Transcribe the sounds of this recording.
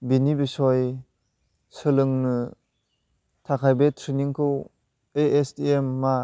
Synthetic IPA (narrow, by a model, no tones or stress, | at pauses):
binibisɔj | sɯlɯŋnɯ | tʰakʰajbetʰɾiniŋkʰɯw | eʔesdiemːa